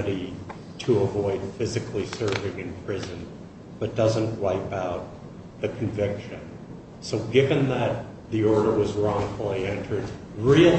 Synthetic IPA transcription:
ɾi | ɾəəvɔɪd̥fɪzɨkʰlisɜ˞vɪ̃ŋɨ̃npʰɹ̥ɪzɨ̃n | b̥ʌt̚d̥ʌzə̃nʔwaɪpaʊt̪̚ | ðɨkʰɱvɪkʃɨ̃n | soʊɡɪvɨ̃nðɨt̪̚ | ðiɔɹɾə˞wʌzɹɔ̃ŋfəl̩ˠiɛ̃ntʰə˞d̚ | ɹi

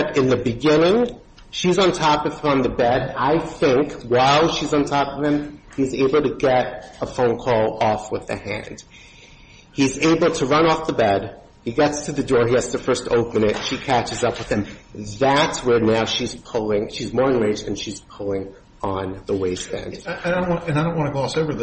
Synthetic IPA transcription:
ʌɾɨ̃nðɨbɨɡɪ̃nɪ̃ŋ | ʃizn̩tʰɑpʌv̥ə̃nðɨbɛɾaɪθɪ̃ŋkwaɪlˠʃizn̩tʰɑpʌv̥ɨ̃m | izeɪbl̩ˠtɨɡɛɾəfõʊ̃nkʰɔlˠɔfwəðɨ̰hæ̰̃nd̥ | hizeɪbl̩ˠtʰɨɹʌ̃ñɔfðəbɛd | hiɡɛtstʰɨðɨdɔɹiædz̥tʰɨfɜ˞stʰo̰ʊpɨ̃nɪtʃikʰæt͡ʃɨzʌpwəðɨ̃mðætswə˞naʊʃiz̥pʰʊlˠɪ̃ŋʃizmɔɹɨ̃ŋɹeɪd͡ʒðɨ̃nʃiz̥pʰʊlˠɪ̃ŋ | ə̃nðəweɪspæ̰̃nd̥adõnwɨ̃naɪdõʊ̃nʔwɑ̃nəɡoʊɔsoʊvə˞ð

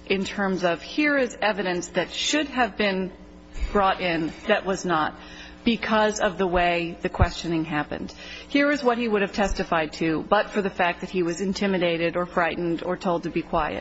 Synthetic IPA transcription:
ʔɨ̃ntʰɜ̃˞mzʌv̥hiɹɪzɛvɨɾɨ̃nsðɨtʃʊd̚ɨvbɪ̃n | b̥ɹɔɾɪ̃nðɨʔ̚wʌznət̚ | b̥ɨkʰʌzʌvðəweɪðɨkʰw̥ɛst͡ʃɨnɪ̃ŋɦæpɨ̰̃nd̥hiɹɨzwʌt̚hiwʊɾɨv̥tʰɛstɨfaɪd̚tʰʉbʌtfə˞ðɨfæk̚ðɨt̚hiwʌzɨ̃ntʰɪ̃mɨɾeɪɾɨɾə˞fɹaɪʔn̩də˞tʰoʊlˠd̚tʰɨbikʰw̥aɪɨ̰t̚

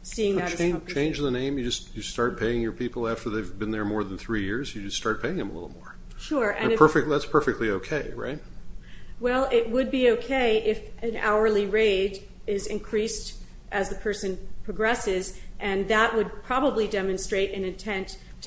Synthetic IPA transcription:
siɪ̃ŋðɨɾt͡ʃẽɪ̃nt͡ʃt͡ʃʰẽɪ̃nd͡ʒðənẽɪ̃mjɨd͡ʒʌstjɨstɑɹt̚pʰeɪɪ̃ŋjə˞pʰipl̩ˠæftə˞ðeɪvbɨ̃nðə˞mɔɹð̃n̩θɹijɪɹzjɨd͡ʒʌststɑɹt̚pʰeɪɪ̃ŋɨ̃mə̰lɪ̰ɾl̩ˠmɔ̰ɹ | ʃʊɹɨ̰̃nɨpʰɜ˞fɪk̚t̚ðætspʰɜ˞fɨk̚tʰˡlioʊkʰeɪɹa̰ɪt̚ | wɛlˠɪt̚wəd̚bioʊkʰeɪʔɪfɨ̃na̰ʊə˞liɹeɪɾ | ɪzɨ̃nkʰɹ̥ist | ʔɨzðɨpʰɜ˞sɨ̃npʰɹ̥ɨɡɹɛsɪzʔɨ̃nðəʔ̚wəd̚pʰɹ̥ɑbəblidɛmɨ̃nstɹ̥eɪɾɨ̃nɨ̃ntʰɛ̃ntʰ

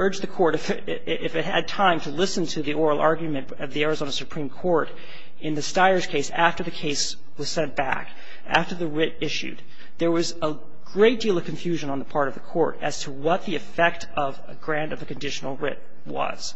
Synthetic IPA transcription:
ɜ˞d͡ʒðɨkʰɔɹɾɨf | ʔɪfɨt̚hɨ̰d̚tʰãɪ̃mtʰɨlɪsɨ̃ntʰɨðiɔɹl̩ˠɑɹɡjmɨ̃nʌvðiɛɹɨzõʊ̃nəsɨpʰɹ̥ĩmkʰɔɹɾ | ɨ̃nðɨstaɪə˞z̥kʰeɪsæftə˞ðɨkʰeɪs | wʌz̥sɛ̃nb̥æ̰k | æ̰ftə˞ðɨɹɪɾɪʃʉ̰d̪̚ | ðə˞wʌzə | ɡ̥ɹeɪt̚d̥ilˠʌv̥kʰɨ̃ɱfjʉʒɨ̃nə̃nðəpʰɑɹɾʌvðəkʰɔ̰ɹɾɨz̥tʰəwʌt̪̚ðiɨfɛk̚tʰ | ʌvɨɡɹæ̃ntʌvðɨkɨ̃n̩dɪʃnl̩ˠɹɪ̰t̚ | wʌ̰z̥

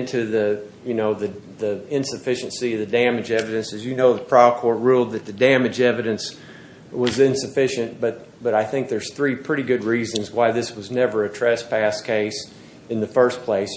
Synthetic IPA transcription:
ntʰʉði | jɨnoʊði | ðɨɪ̃nsɨfɪʃɨ̃n̩siʌvðɨdæmɨd͡ʒɛvɨɾɨ̃nsɨzjɨnoʊðəpʰɹ̥ɑkʰɔɹt̚ɹulˠd̪̚ðɨt̪̚ðɨdæmɨd͡ʒɛvɨɾɨ̃ns | wʌzɪ̃nsɨfɪʃɨ̃nb̥ʌt̚ | b̥ʌɾaɪθɪ̃ŋk̚ðə˞z̥θɹipʰɹ̥ɪɾiɡʊd̚ɹizɨ̃nzwaɪðɪswʌznɛvə˞ɨtʰɹ̥ɛspʰæskʰeɪs | ɨ̃nðɨfɜ˞spʰl̥eɪs

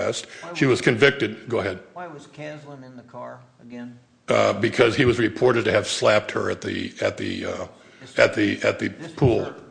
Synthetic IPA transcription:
ɛst̚ʃiwʌz̥kʰɨ̃ɱvɪk̚tɨd̚ɡ̥oʊəɦɛd̥̚wʌz̥kʰæl̃ñnðkʰɑɹ | əɡɛ̃n | bɨkʰʌz̥iwʌzɹɨpʰɔɹɾɨd̚tɨɨv̥slæp̚t̚hə̰˞ɨt̪̚ðɨ̰ɨ̰t̪̚ðɨ̰ | ɨ̰t̪̚ðɨɨ̰t̪̚ðɨpʰulˠ

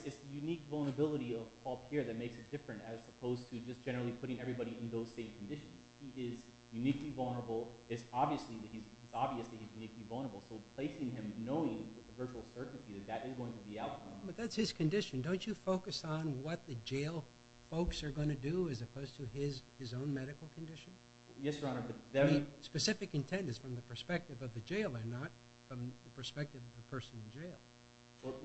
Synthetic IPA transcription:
ɨtsðɨjʉnikvʌl̩ˠnə˞əbɪlˠəɾiʌv̥kʰɔlˠphiɹðɨt̚meɪksɨt̚d̥ɪfɹɨ̃ntɨz̥səpʰoʊz̥tʰɨd͡ʒʌsd̥ʒ̥ɛnə˞l̩ˠipʰʊɾɪ̃ŋɛvɹibɑɾiɨ̃nðoʊz̥sẽɪ̃mkʰn̩dɪʃɨ̃n̩z̥hiʔɪz | jʉniklivʌlˠnə˞əbl̩ˠɨtsɑbviɨsliðɨt̚hiz | izɑbviɨslihizjʉniklivʌlˠnə˞əbl̩ˠsoʊpʰl̥eɪsɪ̃ŋɪ̃mnoʊɪ̃ŋwɨðəvɜ˞t͡ʃul̩ˠsɜ˞ʔn̩tʰiðɨt̪̚ðɨɾɨzɡoʊɪ̃ŋtʰɨbiaʊt̚kʰʌ̃mbʌt̪̚ðætshɨz̥kʰɨ̃ndɪʃɨ̃ndõʊ̃nt͡ʃɨfoʊkɨsn̩wʌt̪̚ðɨd͡ʒeɪlˠ | foʊksə˞ɡʌ̃ñɨdɨɨzɨpʰoʊz̥tʰɨɪz | ɪzõʊ̃nmɛɾɨkl̩ˠkʰɨ̃ndɪʃɨ̃n | jɛsəɹɑ̃nə˞bʌt̪̚ð̃spɨsɪfɨkɨ̃ntʰɛ̃ntɨz̥fɹʌ̃mðɨpʰə˞spɛk̚tɨvʌvðɨd͡ʒeɪlˠə̃nːət | fɹʌ̃mðɨpʰə˞spɛk̚tɨvʌvðɨpʰɜ˞sɨ̃nɨ̃nd͡ʒeɪlˠ

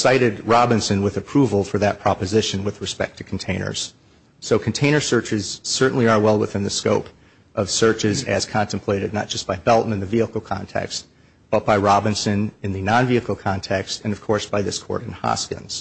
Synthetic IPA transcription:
saɪɾɨd̚ɹɑbɨ̃nsɨ̃nwɨðɨpʰɹ̥uvl̩ˠfə˞ðɨt̚pʰɹ̥ɑpɨzɪʃɨ̃nwɨðɹɨspɛ̰k̚tʰɨ̥kʰn̩tʰẽɪ̃nə̰˞z̥ | soʊkʰn̩tʰẽɪ̃nə˞sɜ˞t͡ʃɨz̥sɜ˞ʔn̩liə˞wɛlˠwəθɪ̃nðɨskoʊp | ʔʌv̥sɜ˞t͡ʃɪzɨz̥kʰɑ̃ntɨ̃mpʰl̥eɪɾɨdⁿnət̚d̥ʒ̥ʌsb̥aɪbɛlˠʔn̩ɨ̃nðɨviəkl̩ˠkʰɑ̰̃ntʰɛ̰kst̚ | b̥ʌt̚b̥aɪɹɑbɨ̃nsɨ̃nɨ̃nðɨnɑ̃nviɨkl̩ˠkʰɑ̃ntʰɛkstɨ̃nʌv̥kʰɔɹsb̥aɪðɪskʰɔ̰ɹɾɨ̃nhɑ̰skɨ̰̃nz̥

